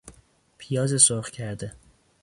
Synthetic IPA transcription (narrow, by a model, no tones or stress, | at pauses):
pʰijɒːzesoɾχcʰæɾd̪e